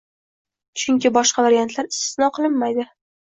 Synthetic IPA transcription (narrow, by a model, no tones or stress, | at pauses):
t͡ʃʰʊŋkʲɪbɒʃqɑvaɾijant̪ʰlaɾɪst̪ɪ̥snɒqʰɨlˠɪmːajd̪ɪ